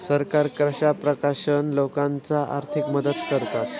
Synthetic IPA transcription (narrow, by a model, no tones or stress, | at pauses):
səɾkaɾkɾəɕapɾəkaɕənlokãnt͡saʔa̰ɾt̪ʰikməd̪ət̪kəɾt̪at̪